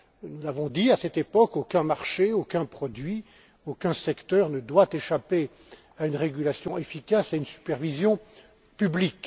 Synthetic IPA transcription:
nulavɔ̃d̪iasɛt̪epɔkokʲɛ̃maʁʃeokʲɛ̃pχɔd̪ɥi | okɛ̃sɛkt̪œʁnəd̪wat̪eʃape | aynʁeɡʲylasjɔ̃ʔefikasaynsy̥pɛʁvizjɔ̃ | pyblik

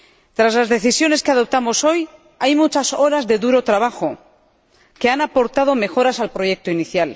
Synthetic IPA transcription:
t̪ɾazlazðe̞θisjo̞ne̞skeaðo̞p̚t̪amo̞so̞j | ajmut͡ʃaso̞ɾazðe̞ðuɾo̞t̪ɾaβaxo̞ | ke̞anapo̞ɾt̪aðo̞me̞xo̞ɾasalpɾo̞je̞k̚t̪oiniθjal

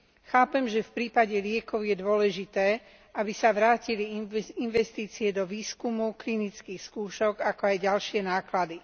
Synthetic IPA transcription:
xaːpɛmʒɛfpɾiːpaɟɛlɪɛkɔʊjɛd̪ʊɔlɛʒit̪ɛː | abisaʋɾaːciliinʋɛst̪iːt͡siɛd̪ɔʋiːskumuklinit͡skiːxskuːʃɔɡakɔajɟalʃɪɛnaːklad̪i

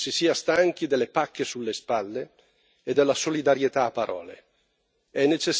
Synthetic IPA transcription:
sisiːast̪aŋk̟id̪elːepakːesulːespalːe | ed̪ːelːasolid̪aɾjet̪aːpːaɾʔɔ̰ːlḛ | ɛnːet͡ʃes

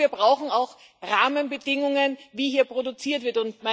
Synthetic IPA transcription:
iːɐbʁaʊxn̩aʊx | ʁaːmənbədɪŋʊŋənviːhiːɐpʁ̥odʊt͡siːɐtv̥ɪɐtʊntma

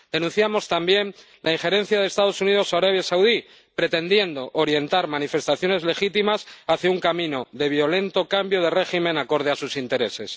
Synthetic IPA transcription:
d̪̥e̞nũn̟θjamo̞st̪ambje̞n | lʔaiŋxe̞ɾe̞n̟θjaðeːst̪aðo̞suniðo̞saɾaβjasawði | pɾe̞t̪e̞nd̪je̞nd̪o̞ʔːɾje̞nt̪aɾmãnife̞st̪aθjo̞ne̞zle̞xit̪imasaθjauŋkamĩno̞ðe̞βjo̞le̞nt̪o̞kambjo̞ð̞e̞re̞ximẽ̞nako̞ɾð̞easusint̪e̞ɾe̞se̞s

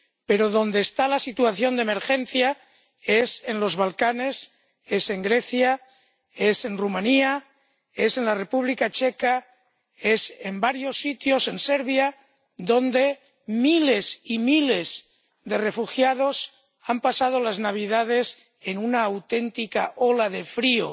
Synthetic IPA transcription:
pe̞ɾo̞ðo̞nd̪eːst̪alasit̪uaθjo̞nd̪emeɾxe̞n̟θja | e̞se̞nlo̞zβalkane̞s | e̞se̞ŋɡɾe̞θja | ese̞nrumãnia | e̞se̞nlare̞puβlikat͡ʃeka | esembaɾjo̞sːit̪jose̞nseɾβja | d̪o̞nd̪e̞ | milesimilez | ðe̞re̞fuxjað̞os | ampasað̞olaznaβ̞iðað̞e̞s | enunaːwt̪e̞nt̪ikaʔolaðe̞fɾio̰

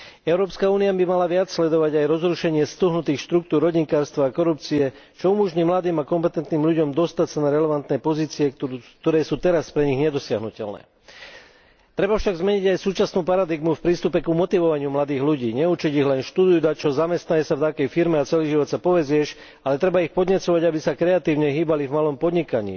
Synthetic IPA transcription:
ɛʊɾɔːpskauːniabimalaʋɪat͡sslɛd̪ɔʋaɟajɾɔzɾuʃɛɲɪɛst̪uɦnut̪iːxʃt̪ɾukt̪uːɾɦɔɟiŋkaːɾst̪ʋaːkɔɾup̚t͡siɛ | t͡ʃɔumɔʒɲiːmlad̪iːmakɔmpɛt̪ɛnt̪niːmʎuɟɔmd̪ɔst̪acsanaɾɛlɛʋant̪nɛpɔziːt͡siɛt̪ɔɾɛːsuːt̪ɛɾaspɾɛɲiɣɲɛd̪ɔsɪaɦnucɛlnɛ̰ː | t̪ɾɛbafʃaɡzmɛɲiɟajsuːt͡ʃasnuːpaɾad̪iɡmufpɾiːst̪upɛkumɔt̪iʋɔʋaɲɪumlad̪iːɣʎuɟiːɲɛut͡ʃiɟiɣlɛnʃt̪ud̪ujuːd̪at͡ʃɔɔzamɛst̪naɲɛsaft̪akɛjfiɾmɛat͡sɛliʒiʋɔt̪t͡sapɔʋɛzɪɛʃ | alɛt̪ɾɛbaixpɔd̪ɲɛt͡sɔʋaɟabisakɾɛat̪iːʊɲɛɦiːbalivmalɔmpɔd̪ɲikaɲḭː

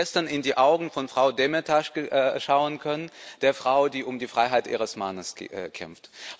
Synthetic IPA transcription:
ɛstɐnɪndiːʔaʊɡŋ̩fɔnfʁ̥aʊdɛmɛtʰaʃəʔʃaʊənkʰœnənd̥eːɐfʁ̥aʊdiːʔʊmdiːfʁ̥aɪɦaɪtʔḭːʁ̞əsmanəskʰɛ̰mft

